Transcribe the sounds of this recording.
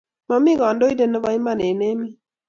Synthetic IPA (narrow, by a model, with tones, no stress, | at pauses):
ma˨mɪ˦ɣɔ˨ndo˦i˦de˦˨nɔ˦ba˦i˦ma˦˨ne˨ne˦mi˦